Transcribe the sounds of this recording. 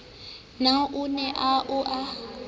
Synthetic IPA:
naʔunɛʔaʔuʔa

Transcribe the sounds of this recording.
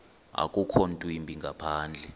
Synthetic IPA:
a̰kʼukʰontʼuimbʱiŋɡʱapʰaːnd͡ɮʱɛ

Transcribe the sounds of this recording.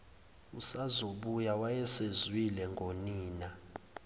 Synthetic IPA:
usazoɓujawajɛsezwilɛŋɡʱoniːna

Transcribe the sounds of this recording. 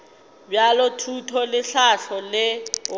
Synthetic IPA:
bjalotʰutʰɔlɪɬaɬɔlɪ

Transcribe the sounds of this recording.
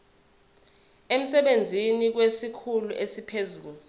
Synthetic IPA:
em̩sɛɓend͡zʱinik̬wesikʰuluʔesipʰezuːlu

